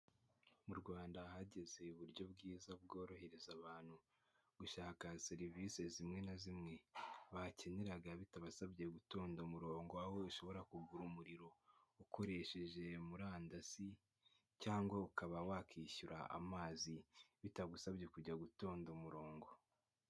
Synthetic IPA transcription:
muɾɡwaːndahaɟe̞ze̞uβuɾɟo̞bɡiːzabɡo̞ːɾo̞he̞ɾe̞zaβaːn̥hu | ɡ̥uʃaːkaseɾiviːse̞zimŋe̞nazimŋe̞βace̞ne̞ɾaɡaβitaβasaβɟe̞ɡuto̞ːndomuɾo̞ːŋɡoaho̞iʃo̞βo̞ɾakuɡuɾumuɾiɾo̞ukʰo̞ɾe̞ʃe̞ʒe̞muɾaːndasi | caːŋɡwaukaβawakiːʃuɾʔa̰ʔa̰maːziβitaɡusaβɟe̞kuɟaɡuto̞ːndomuɾo̞ːŋɡo̞

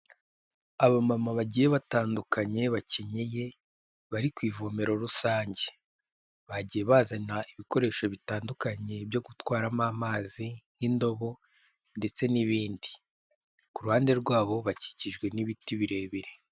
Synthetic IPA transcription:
aβamamaβaɟijeβataːndukaɲe̞βaceɲeje̞ | βaɾikwiːvome̞ɾo̞ɾusaːɲɟe̞ | βaɟije̞βaːzanaiβiko̞ɾe̞ːʃoβitaːndukaɲe̞bjo̞ɡutwaːɾamamaːzinindo̞βo̞ | nde̞t͡se̞niβiːndi | kuɾuhaːnde̞ɾɡwaːβo̞βaci̥ciʒɡwe̞niβitiβiɾe̞ːβiɾe

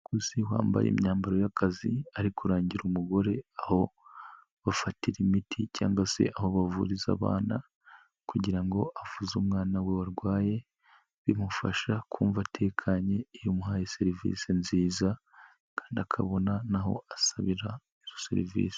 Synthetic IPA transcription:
kusihwa̰ːmba̰jḛːmɲaːmbaɾo̞jakʰaziaɾikuɾaːɲɟiɾumuɡo̞ɾe̞aho̞ | βafatiɾimitʰicaːŋɡase̞̰ʔaho̞βavuːɾiza̰βa̰ːna | kuɟiɾaŋɡo̞ʔavuzumŋaːnawe̞waɾɡwaːje̞ | βimufaʃakʰuːɱvatʰe̞ːkʰaɲe̞ijomuhajese̞ɾivḭsenziːza | kaːndiakʰa̰βo̞nanaɦo̞̰asaβiɾa | iz̥osḛɾḭvḭːse̥

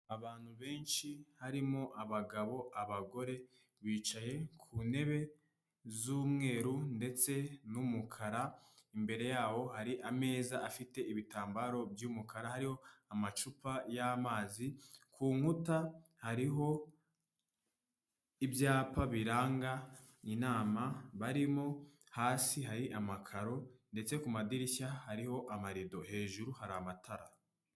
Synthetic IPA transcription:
aβaːn̥huβe̞ːnʃihaɾimo̞ʔaβaɡaβo̞ʔaβaɡo̞ɾe̞ | βiːt͡ʃaje̞kʰune̞βe̞ | zuːmŋe̞ːɾunde̞t͡se̞numukʰaɾaimbe̞ɾe̞jaːwo̞haɾiʔame̞ːzaʔafite̞iβitaːmbaɾo̞bjuːmukʰaɾahaɾiho̞amat͡ʃupajamaːzikʰuːŋ̥uta | haɾiɦo̞ | ibjaːpaβiɾaːŋɡa | ninaːmaβaɾimo | haːsiɦaɾiʔamakʰaɾo̞nde̞t͡se̞kumadiɾiçahaɾiho̞ʔamaɾido̞he̞ːʒuɾuhaɾamatʰaɾa

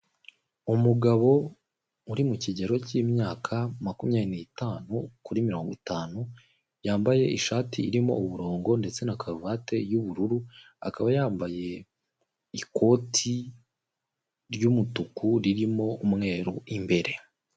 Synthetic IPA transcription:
umuɡaβo̞ | uɾimuciɟeɾo̞cimɲaːkʰamakumijaːnineitaːnukuɾimiɾo̞ːŋɡitaːnu | jaːmbaje̞ʔiʃaːtʰiːɾimo̞̰uβuɾo̞ːŋɡo̞nde̞t͡se̞nakʰaɾuvaːte̞juβuɾuɾu | a̰kaβajaːmbaje̞ | iko̞ːtʰi | ɾɟumutukuɾiɾimo̞umŋe̞ːɾuimbe̞ɾe̞

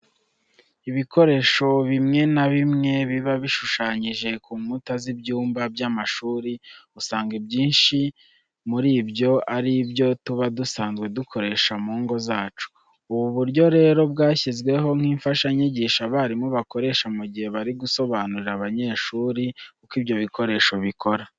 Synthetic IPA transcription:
iβikʰo̞ɾe̞ːʃo̞βimŋe̞naβimŋe̞βiβaβiʃuʃaːɲiʒe̞kuːmutazibɟuːmbabjaːmaʃuːɾiusaːŋɡebɟiːnʃi | muɾiːbjo̞aɾibjo̞tuβadusaːnzɡwe̞dukʰo̞ɾe̞ʃamuːŋɡo̞zaːt͡ʃu̥ | uβuβuɾɟo̞ɾe̞ːɾo̞b̚ɡaːçizɡwe̞ɦo̞ŋ̥hiːɱfaʃaɲiɟiːʃaβaːɾimuβako̞ɾe̞ʃamuɟihe̞βaɾiɡuso̞βanuɾiɾaβaɲe̞ːʃuːɾikukibjo̞βiko̞ɾe̞ːʃoβikʰo̞ɾa

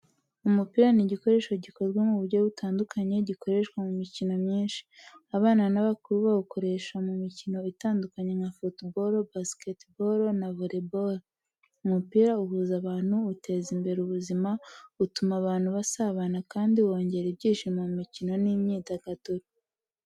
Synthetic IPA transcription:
umupiːɾaniɟiko̞ɾe̞ːʃoɟiko̞ɾɡwamuβuɾɟo̞βutʰaːndukʰaɲe̞ɟikoɾe̞ʃkwamumicino̞mɲiːnʃi̥aβaːnanaβakuɾuβauko̞ɾe̞ʃamumicino̞itaːndukaɲe̞ŋafotboɾobasketboɾonaβoɾeboɾo | umupiːɾauhuːzaβaːn̥huːtʰe̞ːzimbe̞ɾuβuzimautumaβaːn̥huβasaβanakaːndiwo̞ːɲɟe̞ɾeb̚ɟiːʃimaumicino̞nimɲiːtaɡatoɾi

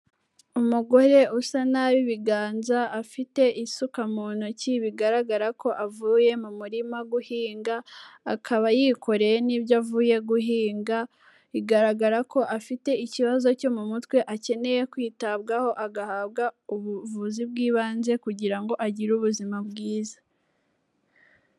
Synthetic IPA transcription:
umuɡo̞ɾe̞usanaβiβiɡaːnzaːfite̞isukamuːnuciβiɡaɾaɡaɾako̞ʔavuːje̞mumuɾimaɡuhiːŋɡaːkʰaβajikʰo̞ɾe̞jeniːbjavuːje̞ɡuɦiːŋɡa | iɡaɾaɡaɾako̞ʔafite̞iciβazo̞co̞mumutwe̞ʔace̞ne̞je̞kwiːtaβɡaho̞ʔaɡahaːβɡauβuvuzib̚ɡiːβaːnze̞kuɟiɾaŋɡo̞ʔaɟiɾuβuzimabɡiːzḁ

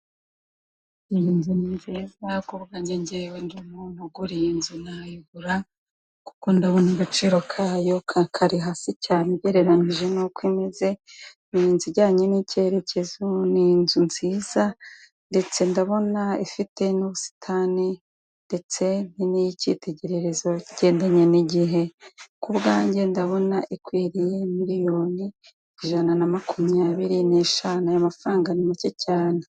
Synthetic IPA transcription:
iinzuniɲzizakuβɡaɲɟeɲɟewendiumun̥uɡuɾijinzunajiβuɾa | ku̥ko̞ndaβo̞niɡat͡ʃiːɾo̞kʰaːjo̞kʰakʰaɾiɦasicaːneɟeɾe̞ɾaniʒenokwiːme̞ze̞niinziɟaːɲenice̞ɾe̞cʰe̞zoninzunz̥iːz̥a | nde̞t͡se̞ndaβo̞naifite̞nuβusi̥tʰani | nde̞t͡se̞ninijicḭte̞ɟe̞ɾe̞ɾe̞zo̞iɟ̥e̞ːndaɲe̞niɟiɦe̞kubɡaːɲɟe̞ndaβo̞naʔikwiːɾije̞miɾijo̞ːni | iʒananamakumijaβiɾine̞ʃanajamafɾaːŋɡanimicecaːne

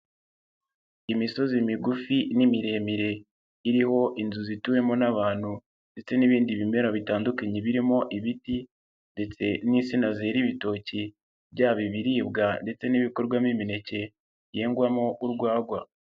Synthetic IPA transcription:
imiso̞zimiɡufinimiɾe̞ːmiɾe̞ | iɾiho̞ʔinzuzituje̞mo̞naβaːn̥hu | nde̞t͡se̞niβiːndiβime̞ɾaβitaːndukaɲeβiɾimo̞ʔiβiti | nde̞t͡se̞nisinazeːɾiβito̞ːci | bɟaːβiβiɾiːb̚ɡande̞t͡se̞niβiko̞ɾɡwamimine̞ce̞ | jeːŋɡwamo̞ʔuɾɡwaːɡwa

